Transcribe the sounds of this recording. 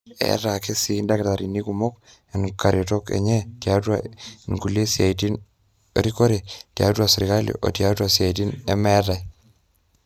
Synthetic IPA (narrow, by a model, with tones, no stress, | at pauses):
ɛ̰ɾa˨ke˦si˨nda˦ke˨ta˨ɾi˨ni˦kumo˦k | ɛ˨nka˨ɾe˨to˦kḛ˨ɲɛ˦tja˦twa̰˦˨nku˨le˦sja˨iti˦n | ɾiko˦ɾe˨tja̰˨twa˨si˨ɾi˨ka˦lḭ˨ʔo̰˨tja˦twa˨sia˨i˨t̬i˦nɛ̰˦mɛ˦ɾa˨i